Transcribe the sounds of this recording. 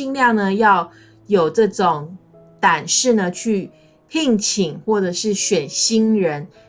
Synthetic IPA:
i˥˧ŋljɑ˥˩ŋnə˩jɑ˥˩ʊ | jo˨˩ʊʈ͡ʂɤ˥˩ʈ͡ʂʊ˨˩˦ŋ | t̪a˨˩nʂɻ̩˥˩nə˩t͡ɕʰy˥˩ | pʰi˥˩ŋt͡ɕʰi˨˩˦ŋxwɔ˥˩ʈ͡ʂɤ˨˩ʂɻ̩˥˩ɕɥɛ˨˩nɕi˥nɻə˧˦n

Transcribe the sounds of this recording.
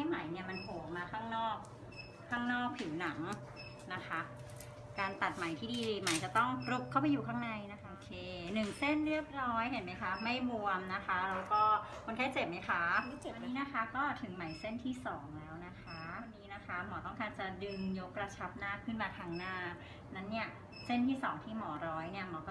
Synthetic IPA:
a˥˩jma˨˩˦jni˥˩ɐma˧npʰoː˨˩˦maː˧kʰaː˥˩ŋnɔː˥˩k̚ʰː | aː˥˩ŋnɔː˥˩k̚pʰi˨˩˦wna˩˦ŋ | na˦˥kʰa˦˥ | kaː˧nt̪a˨˩t̪̚ma˨˩˦jt̪ʰiː˥˩diː˧ma˨˩˦jt͡ɕa˨˩t̪ɔ˥˩ŋɾu˦˥p̚kʰːa˥˩wpa˧jːuː˨˩kʰaː˥˩ŋna˧jna˦˥kʰa˦ʔo˧kʰeː˧nɯ˨˩ŋse˥˩nɾɯ˥˩əp̚ɾɔː˦˥jɦe˨˩˦nma˦˥jkʰa˦˥ma˥˩jmu˧əmna˦˥kʰa˦˥ɾɛː˦˥wkɔː˥˩kʰo˧nkʰaː˥˩t͡ɕe˨˩p̚ma˦˥jkʰa˦˥˨wa˧nːiː˦˥na˦˥kʰa˦˥kɔː˥˩t̪ʰɯ˩˦ŋma˩˦jse˥˩nt̪ʰiː˥˩sɔː˩˦ŋlɛː˦˥wna˦˥kʰa˦˥˧nːiː˦˥na˦˥kʰa˦˥mɔː˩˦t̪ɔ˥˩ŋkaː˧˩nt͡ɕa˨˩dɯ˧njo˦˥kɾa˧t͡ɕʰa˦˥p̚naː˥˩kʰɯ˥˩npaː˨˩t̪ʰaː˧ŋnaː˥˩ | na˦˥nːi˥˩ɐ | se˥˩nt̪ʰiː˥˩sɔː˩˦ŋt̪ʰiː˥˩mɔː˩˦ɾɔː˦˥jni˥˩ɐmɔː˩˦kɔː˥

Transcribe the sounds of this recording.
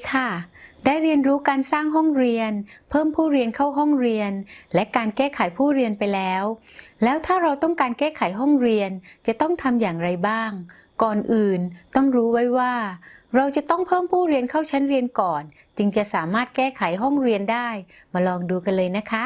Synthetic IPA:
kʰa˥˩daː˥˩jɾi˧ənɾuː˦˥kaː˧nsaː˥˩ŋɦɔ˥˩ŋɾi˧ənpʰɤː˥˩mpʰuː˥˩ɾi˧ənkʰa˥˩wɦɔ˥˩ŋɾi˧ənlɛ˦˥kaː˧nkɛː˥˩kʰa˨˩˦jpʰuː˥˩ɾi˧ənpa˧jlɛː˦˥w | lɛː˦˥wt̪ʰaː˥˩ɾa˧wt̪ɔ˥˩ŋkaː˧nkɛː˥˩kʰa˨˩˦jɦɔ˥˩ŋɾi˧ənt͡ɕa˨˩t̪ɔ˥˩ŋt̪ʰa˧mjaː˨˩ŋɾa˧jbaː˥˩ŋ | kɔː˨˩nʔɯː˨˩nt̪ɔ˥˩ŋɾuː˦˥wa˦˥jwaː˥˩ɾa˧wt͡ɕa˨˩t̪ɔ˥˩ŋpʰɤː˥˩mpʰuː˥˩ɾi˧ənkʰaː˥˩wt͡ɕʰa˦˥nɾi˧ənkɔː˨˩n | t͡ɕɯ˧ŋt͡ɕa˨˩saː˩˦maː˥˩t̪̚kɛː˥˩kʰa˩˦jɦɔ˥˩ŋɾi˧əndaː˥˩j | maː˧lɔː˧ŋduː˧ka˧nlɤː˧jna˦˥kʰa˦˥

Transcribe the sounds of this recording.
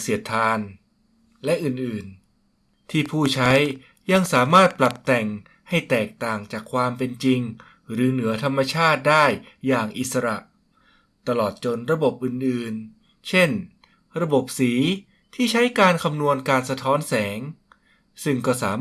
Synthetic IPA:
si˨˩˦ət̪ʰːaː˧n | lɛ˦˥ʔɯː˨˩nʔɯː˨˩n | t̪ʰiː˥˩pʰuː˥˩t͡ɕʰa˦˥j | ja˧ŋsaː˩˦maː˥˩t̪̚pla˨˩p̚t̪ɛ˨˩ŋ | ha˥˩jt̪ɛː˨˩k̚t̪aː˨˩ŋt͡ɕaː˨˩kʰwaː˧mpe˧nt͡ɕi˧ŋ | ɾɯː˨˦nɯ˩˦ɐt̪ʰa˧mːa˧t͡ɕʰaː˥˩t̪̚daː˥˩jːaː˨˩ŋʔi˨˩sa˧ɾa˨˩ʔ | t̪a˧lɔː˨˩t̪̚t͡ɕo˧nɾa˧bo˨˩p̚ʔɯː˨˩nʔɯː˨˩n | t͡ɕʰe˥˩n | ɾa˧bo˨˩p̚siː˩˦ | t̪ʰiː˥˩t͡ɕʰa˦˥jkaː˧nkʰa˧mnu˧ənkaː˧nsa˧t̪ʰɔː˦˥nsɛː˩˦ŋ | sɯ˥˩ŋkɔː˥˩saː˩˦

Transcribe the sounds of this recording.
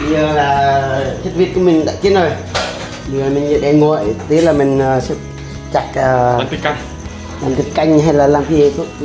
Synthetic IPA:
ɓɨ˧ə˨˩laː˨˩t̪ʰə˦˥t̚vi˧ət̚ku˧˦mï˨˩ŋ̟ɗa̰ː˧˨t͡ɕi˨˦nzo˨˩j | ɓɨ˨˧˩laː˨˩mï˨˩ŋɲə̰˧˨ɗɛ˧˩ŋɔ̰˧˨jt̪e˨˦laː˨˩mï˨˩ŋ̟ə˨˩sɛ̰˧˥ | t͡ɕa˨˩k̚əː˨˩˨ | laː˨˩mt̪i˨˩t̚ka˧jŋ̟ɦa˧jlaː˨˩laː˨˩mki˧˨t̪ʰu˦˥

